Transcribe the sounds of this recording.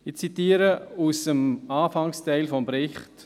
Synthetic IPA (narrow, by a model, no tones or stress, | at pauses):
ɪt͡sitiːəɾəusəmɑːfɑŋstɛɪlfɔmbɾɪχt